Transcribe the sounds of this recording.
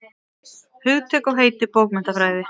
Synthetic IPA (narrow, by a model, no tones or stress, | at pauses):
hʏɣt̪ʰœːkɔɣɦeːjt̪ɪpowkmɛn̥t̪afɾaːjðɪ